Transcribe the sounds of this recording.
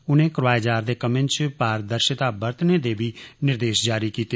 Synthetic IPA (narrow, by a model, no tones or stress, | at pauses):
ʊnẽːkɾʋaːed͡ʒaːɾd̪eːkəmẽnt͡ʃpaːɾd̪əɾʃɪt̪aːbəɾt̪neːd̪eːbiːnɪɾd̪eːʃd͡ʒaːɾiːkiːt̪eː